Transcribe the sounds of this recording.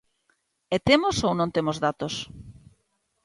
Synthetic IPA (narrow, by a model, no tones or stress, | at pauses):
ɛt̪emosownõnt̪emozðat̪os